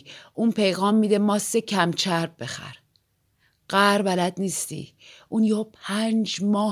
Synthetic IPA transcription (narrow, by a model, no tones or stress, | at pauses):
ʔuːnpʰe̞jɣɒːmːiːd̪emɒːsecʰæmt͡ʃʰæɾb̚be̞xæ̰ɾ | ɢ̥æɾbælæd̪niːst̪ḭː | ʔunjoːpʰænd͡ʒmɒː